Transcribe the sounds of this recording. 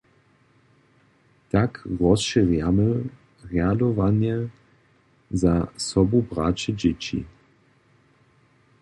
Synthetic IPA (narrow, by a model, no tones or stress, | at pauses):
takʁɔsʃiʁjamə | ʁjadɔvanɛ | zasɔbubɾat͡ɕɛd͡ʑet͡ɕḭ